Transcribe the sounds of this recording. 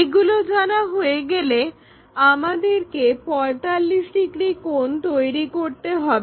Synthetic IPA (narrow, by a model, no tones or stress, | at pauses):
eɡulod͡ʑanaɦoeɡele | amad̪eɾkepɔjt̪alːiʃɖiɡɾikont̪ojɾikoɾt̪eɦɔbee